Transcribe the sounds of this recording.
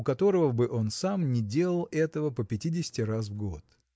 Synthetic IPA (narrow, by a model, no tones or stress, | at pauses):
ʊkɐt̪o̞ɾəvəbɨʔo̞nsamnʲɪdʲe̞lˠəlˠɛt̪əvəpəpʲɪtʲidʲɪsʲɪ̥tʲɪras̬vɡo̞t̪